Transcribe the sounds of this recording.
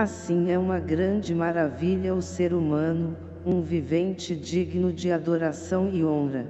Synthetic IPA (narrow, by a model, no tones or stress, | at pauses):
asĩɛũmɐɡɾɐ̃nd͡ʒɪmaɾaviʎɐʊseɾumɐ̃nʊ | ũvivẽnt͡ʃɪd͡ʒiɡnʊd͡ʒɪad̪oɾasɐ̃w̃ɪõɾɐ